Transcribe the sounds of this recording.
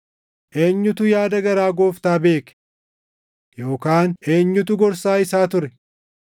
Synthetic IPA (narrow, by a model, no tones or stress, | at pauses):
ʔe̞ːɲːʊt̪ʊjaːd̪ɐɡɐɾaːɡo̞ːft̪aːbe̞ːk | jo̞ːkaːne̞ːɲːʊt̪ʊɡɔɾsaːɪsaːt̪ʊɾɛ